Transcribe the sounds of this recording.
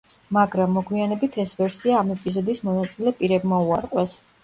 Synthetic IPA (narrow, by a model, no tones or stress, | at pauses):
maɡɾamːɔɡwianɛbit̪ʰɛsvɛɾsiaːmɛpʼizɔd̪ismɔnat̪sʼilɛpʼiɾɛbmauaɾqʼwɛs